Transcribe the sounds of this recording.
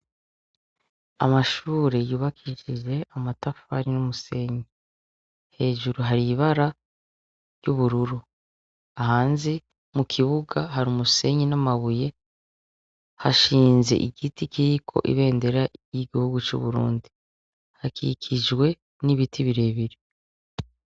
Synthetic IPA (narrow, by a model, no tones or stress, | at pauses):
a̰maʃuːɾe̞juːβakʰiʃiʒe̞amatafa̰ɾinumuse̞ɲi | he̞ːʒuɾuɦaɾiβaɾa | juβuɾuɾu | aɦaːnzi | mukʰiβuɡaɦaɾumuse̞ɲinamaβuje̞ | haʃiːnze̞̰ʔiɡitikiɾikʰo̞̰ʔḭβe̞ːnde̞ɾajiɡihuɡut͡ʃṵβuɾṵːndi | hakḭkʰiʒɡwe̞ | niβitʰiβiɾe̞ːβiɾi